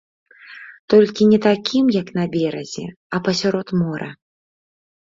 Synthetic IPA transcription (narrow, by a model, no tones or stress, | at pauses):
t̪ɔlʲkʲinʲɛt̪akʲimjɐknɐbʲɛɾɐzʲɛ̰ | ɐpɐsʲaɾɔt̪mɔɾɐ̰